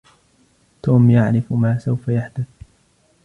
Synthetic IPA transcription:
t̪oːmjaʕɾɪfmaːsawfajaħd̪ʊθ

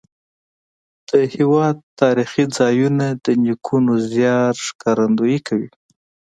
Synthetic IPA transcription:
d̪̥əhewɑd̪t̪ːɑɾixid͡zɑjunad̪ənikʰunozjɑɾʂkɑɾand̪ojikʰawḭ

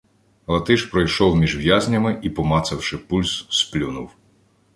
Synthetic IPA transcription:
lˠɐt̪ɪʃpɾɔjʃɔwmʲiʒʋjazʲnʲɐmɪʔipɔmɑt̪sɐwʃɪpulʲssplʲunuw

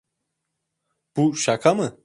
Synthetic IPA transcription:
b̥uʃakʰamɯ

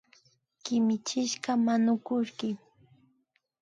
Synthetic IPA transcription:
kɪmɪt͡ʃɪʃɢamanʊkʊʃkɪ

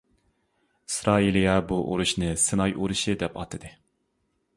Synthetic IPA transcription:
isɾɑːilijɛbuʔo̰ɾuʃnɨsɨnɑjʔuɾuʃɨd̪ɛpɑ̰t̪ʰːɨd̪ɨ

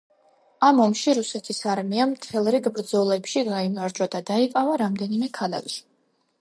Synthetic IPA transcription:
amɔmʃiɾusɛt̪ʰisaɾmiamt̪ʰɛlˠɾiɡbɾd̪zɔlɛpʃiɡaimaɾd͡ʒwad̪ad̪aiqʼavaɾamd̪ɛnimɛkʰala̰ɡʼʃi̥

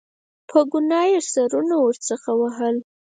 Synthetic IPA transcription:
pʰəɡʊnɑjesaɾunawəɾt͡səxawaɦəl

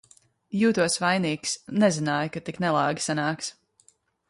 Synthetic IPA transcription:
juːt̪uɔsvajniːksnɛzinaːjkat̪iknɛlˠɑːɡʲi̥sanaːks

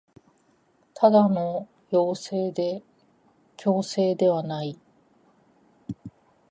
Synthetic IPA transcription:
t̪ʰad̪ano̞ | jo̞ːseːd̪e̞ | kʲo̞ːse̞ːd̪e̞βanai

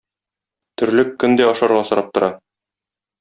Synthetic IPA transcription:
t̪ɵ̆ɾlɘkːɵnd̪æɒʃɑɾʁɑsɤ̆ɾʔɑp̚t̪ŏɾʔɑ

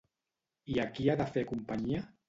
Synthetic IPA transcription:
iakiaðafekumpaɲia

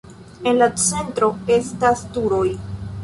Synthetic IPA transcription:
e̞nlat͡se̞ntɾo̞e̞stastuɾo̞j

